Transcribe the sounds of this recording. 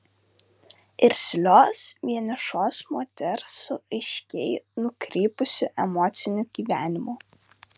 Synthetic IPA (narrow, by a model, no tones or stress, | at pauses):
ɪɾʲsʲlʲoːsʋʲiɛnʲɛʃoːsmoːt̪ʲɛɾsʊɐɪʃʲkʲɛɪnʊkɾʲeːpʊsʲɪʔɛmɔːt̪sʲɪnʲʊɡ̥ʲiːʋʲæːnʲɪmoː